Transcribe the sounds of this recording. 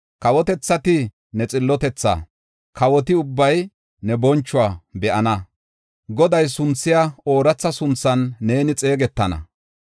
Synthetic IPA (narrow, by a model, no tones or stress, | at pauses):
kɐwɔt̪ɛt͡sːɐt̪ɪ | nɛt͡sʼɪlːɔt̪ɛt͡sːa̰ | kʰɐwɔt̪ɪʊbːɐj | nɛbɔnt͡ʃːʊwabɛʔɐnɐ | ɡɔd̪ɐjsʊnt͡sːɪjaoːɾɐt͡sːɐsʊnt͡sːɐnːe̞ːnɪt͡sʼe̞ːɡɛt̪ːɐnɐ̰